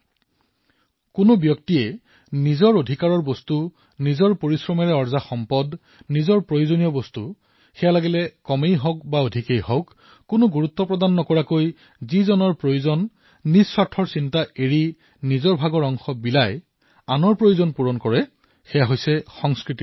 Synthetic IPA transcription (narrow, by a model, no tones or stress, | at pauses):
kʊnʊbjɔktiɛ | nizɔɹodʱikaɹɔɹbɔstu | nizɔɹpoɹisɹɔmɛɹɛɔɹzaxɔmpɔd | nizɔɹpɹojozonijɔbɔstu | xɛjalaɡilɛkɔmejɦɔk̚baodʱikejɦɔkː | ʊnʊɡuɹut̪ːɔpɹɔdanːɔkɔɹakoj | zizɔnɔɹpɹojozɔnː | isːwatʰːɔɹsintaʔeɹi | nizɔɹbʱaɡɔɹɔŋxɔbilaj | anɔɹpɹojozɔnpuɹɔnkɔɹɛ | xɛjaɦojsɛxɔŋskɹiti̥